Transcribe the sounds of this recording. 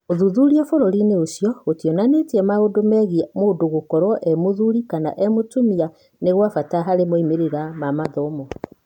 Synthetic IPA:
oðuðuɾiafoɾoɾineosijɔɣotjɔnanetiɛmaodomɛɣiamodoɣokɔɾwɔʔɛmoðuɾikana̰ʔɛmotumia | neɣwafataɦaɾemoimeɾeɾamamaðɔmɔ

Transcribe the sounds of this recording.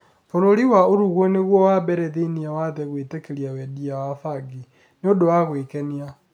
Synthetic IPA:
foɾoɾiwaoɾuɣwɔneɣwɔwabɛɾɛðeniawaðɛɣwetekeɾiawɛdiawafaɡi | neodowaɣwekɛnia

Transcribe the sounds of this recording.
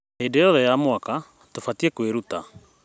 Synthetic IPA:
hedejɔðɛjamwaka | tofatiekweɾuta

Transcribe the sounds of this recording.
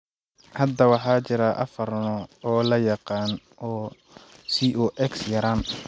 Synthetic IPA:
hɐd̪ːɐwɑħɑːt͡ʃɪɾɐʔɐ̰fɐrnɔɔːlɐjɑqɑːn | ʔɔː | siʔuʔɛksjɐɾaːn

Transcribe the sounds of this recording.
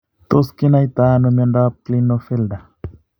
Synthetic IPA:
t̪oskinajt̪anomondap̚klinofeld̪a

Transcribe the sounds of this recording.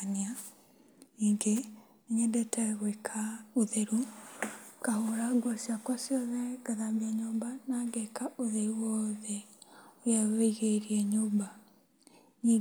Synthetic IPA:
nia | niːŋɡe | neɲɛdɛtɛɣwekʰauðeɾu | kahoɾaɡwɔsiakwɔsjɔðɛɡaðaβiɛɲombanaɡɛkaʔoðeiwɔðɛojaweiɣeɾiɛɲoːmba | ni

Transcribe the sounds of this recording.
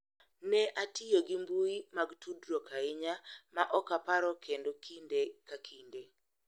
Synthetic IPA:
nɛʔatɪjoɡɪmbuimaɡtudɾɔkaɪɲamaʔɔkapaɾɔkʰendokʰindekakʰinde

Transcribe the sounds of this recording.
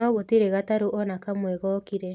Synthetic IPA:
ɔɣotiɾeɣataɾuʔɔnakamwɛɣɔkiɾɛ

